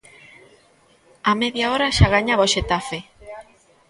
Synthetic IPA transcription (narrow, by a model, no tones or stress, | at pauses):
ameðjaoɾaʃaɣaɲaβoʃet̪afe